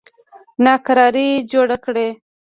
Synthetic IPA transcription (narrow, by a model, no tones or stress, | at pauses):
nɑkaɾɑɾid͡ʒoɽakɽe